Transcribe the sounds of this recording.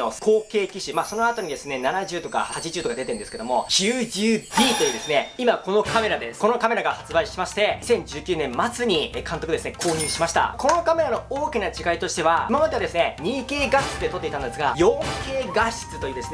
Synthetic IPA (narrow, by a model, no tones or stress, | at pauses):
okʰo̞ːke̞ːkʲiɕimaːso̞no̞at̪o̞ɲ̟id̪e̞sɨne̞nanaʑɨːt̪o̞ka̰hat͡ɕiʑɨːt̪o̞kad̪et̪eɯnd̪eske̞d̪o̞mo̞ɕɨːd͡ʑɨːdʲiːt̪o̞jɯ̟ːd̪e̞sɨne̞imako̞no̞kʰame̞ɾad̪eko̞no̞kame̞ɾaɡahat͡sɨbaiɕimaɕi̥t̪e̞sẽ̞ɲ̟d͡ʑɨːkʲɨːnẽmmːat͡sɨɲ̟ikãnt̪okdesɨne̞kʰo̞ːɲ̟ĩːɰ̃ɕimaɕi̥t̪a̰ko̞no̞kame̞ɾano̞oːkʲinat͡ɕiɡait̪o̞ɕi̥t̪e̞βaimamat̪ead̪e̞sɨne̞ɲ̟iːke̞ːɡaɕi̥t͡sɨ̥t̪ːet̪o̞t̪ːeit̪ãnd̪e̞sɨɡajõŋke̞ːɡaɕi̥t͡sɨ̥t̪o̞jiːd̪esɨn